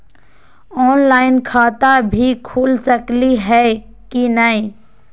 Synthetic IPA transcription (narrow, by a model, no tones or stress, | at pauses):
ɔːnlaːɪnkʰaːt̪abʱikʰuːlsəkliɦɛː | kinəɦĩ